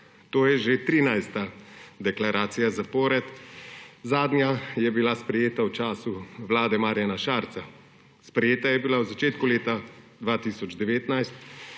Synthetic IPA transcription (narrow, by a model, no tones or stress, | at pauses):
t̪oːjɛʒet̪ɾiːnajst̪ad̪ɛklaɾaːt̪sijazapɔːɾɛt̪ | zaːd̪nʲjajɛbilaspɾɛjeːt̪awt͡ʃaːsuʋlaːd̪ɛmaːɾjanaʃaːɾt̪sa | spɾɛjeːt̪ajɛbilawzat͡ʃeːt̪kuleːt̪ad̪ʋaːt̪isɔd͡ʒd̪ɛʋeːt̪najst̪